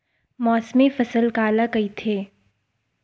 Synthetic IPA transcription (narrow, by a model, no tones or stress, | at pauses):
mɔːsmefɐsəlkaːlakɐit̪ʰeː